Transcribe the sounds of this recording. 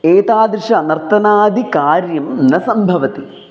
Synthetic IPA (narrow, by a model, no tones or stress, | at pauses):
eːt̪aːd̪ɾiʂɐnɐrt̪ɐnaːd̪ʱikaːɾjɐmnɐsɐmbʱɐʋɐt̪i